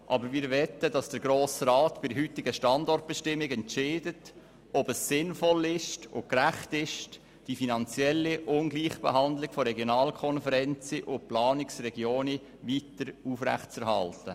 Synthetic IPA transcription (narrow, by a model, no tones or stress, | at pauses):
ʔɑbəɾmɪːɾʋɛt̪ədɑsd̥əɾɡɾoːsɾɑːt̪b̥ɪdəɦyt̪ɪɡəʃtɑndɔrt̚b̥ɛʃtɪmːɪɡɛntʃeːdət | ɔbəsːɪnfɔlɪʃtʊkɾæχtɪʃt | d̥ifinɑnt͡sjɛlːiʔʊnɡliːχb̥ḛɦɑnd̪lɪɡ̥fɔɾɛɡjonɑːlkʰɔnfəɾɛnt͡siʔʊplɑːnɪksrɛɡjoːni | ʋitəɾufræ̰χtt͡sɛɾhɑ̰ltə